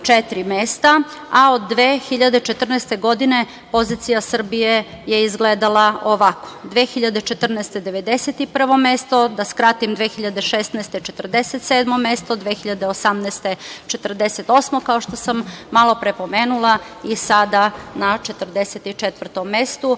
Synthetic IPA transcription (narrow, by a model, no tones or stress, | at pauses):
t͡ʃet̪ɾimest̪a | aod̪ːʋeːxiʎad̪et͡ʃet̪r̩nɛst̪eɡo̞d̪ine̞ | pozit̪sijasr̩bije | jeizɡled̪alˠaoʋako̥d̪ʋexiʎad̪et͡ʃet̪r̩naest̪e̞d̪eʋed̪eset̪ipr̩ʋo̞mest̪o̞d̪askɾat̪imd̪ʋexiʎad̪e̞ʃest̪naest̪et͡ʃet̪r̩d̪eset̪sed̪mo̞mest̪od̪ʋeːxiʎad̪eosamnɛːst̪et͡ʃet̪r̩d̪eset̪o̞smokao̞ʃt̪o̞samːalˠo̞pɾepo̞meːnulˠa | isad̪anat͡ʃet̪r̩d̪eset̪it͡ʃet̪ʋr̩t̪omːest̪u